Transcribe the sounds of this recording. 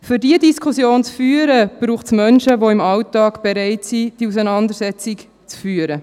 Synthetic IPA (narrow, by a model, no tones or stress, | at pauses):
fyɾdiədiskʰusjoːnt͡sfyːəɾəb̥ɾuːχtsmœnʃəʋoɪmɑwtɑːɡb̥ɛɾɛɪtsid̥iusənɑnd̪əɾsɛt͡sik | t͡sfyːəɾə